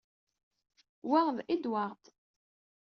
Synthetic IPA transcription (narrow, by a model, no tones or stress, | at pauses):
waʁðid̪waʁt̪